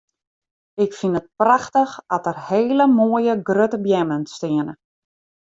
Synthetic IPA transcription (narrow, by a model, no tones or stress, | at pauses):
ɪkfinət̚praxtəxɔtərheːləmoːəjəɡrøtəbjɛmənstɪənə̰